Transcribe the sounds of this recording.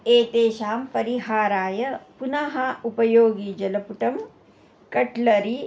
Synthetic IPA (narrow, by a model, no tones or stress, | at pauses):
eːt̪eːʃaːmpɐɾiɦaːɾaːjɐpunɐɦɐupɐjoːɡid͡ʒɐlɐpuʈɐm | kɐʈlɐɾi